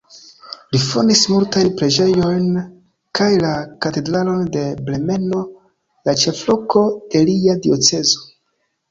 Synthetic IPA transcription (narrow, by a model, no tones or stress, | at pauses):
lifo̰ndismultajnpɾe̞d͡ʒe̞jo̞jn | kajlakate̞dɾalo̞nde̞ble̞me̞no̞ | lat͡ʃe̞flo̞ko̞e̞liadio̞t͡se̞zo̞̥